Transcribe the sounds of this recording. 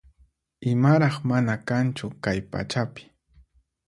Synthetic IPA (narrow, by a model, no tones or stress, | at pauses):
ɪmaɾɑχmanakant͡ʃʊkajpa̰t͡ʃapɪ̥